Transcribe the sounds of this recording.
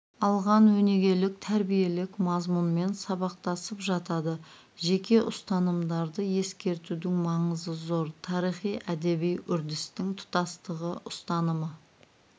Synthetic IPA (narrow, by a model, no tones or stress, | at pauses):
ɑlˠʁɑnwɵne̞ɡʲe̞lɪk̚t̪ʰæɾbije̞lɪkmɑzmunme̞nsɑβɑq̚t̪ɑsəpʒɑt̪ɑd̪ə | ʒe̞kʲe̞ʔʊst̪ɑnəmd̪ɑɾd̪əje̞skʲe̞ɾt̪ud̪ɪŋmɑɴəzəzo̞ɾt̪ʰɑɾijχijʔæd̪e̞bijʔʏɾd̪ɪst̪ɪŋt̪ʰʊ̥t̪ɑst̪əʁəʔʊst̪ɑnəmə